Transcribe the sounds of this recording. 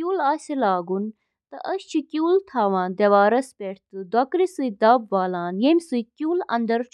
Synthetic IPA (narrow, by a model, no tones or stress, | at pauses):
uːlaːsʲilaːɡun | t̪ɐ̰ʔɐɕt͡ʃʰikʲuːlt̪ʰaːʋãːnd̪ɐʋaːɾɐspʲeʈʰt̪ɨd̪wɐkɾisɨjd̪ɐbʋaːlaːnjemʲsɨjkʲjuːlɐ̰nd̪ɐɾt͡ʃʰ